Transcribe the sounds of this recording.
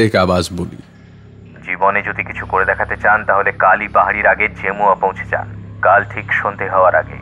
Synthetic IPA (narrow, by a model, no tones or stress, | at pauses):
ekabaʃbolḭ | d͡ʑiboned͡ʑod̪ʱikit͡ɕʰukoɾed̪ɛkʰat̪et͡ɕant̪aɦolekalipaɦaɽiɾaɡeɾd͡ʑemuapõw̃t͡ɕʰe̥t͡ɕa̰nkalʈʰikʃond̪ʱeɦɔoaɾaɡḛ